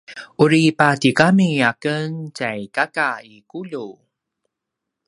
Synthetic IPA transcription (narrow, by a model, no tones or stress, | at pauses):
ʔuɾipatikamiakəncajkakaikuʎu